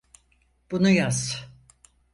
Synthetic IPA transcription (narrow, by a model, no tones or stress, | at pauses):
b̥unujaz̥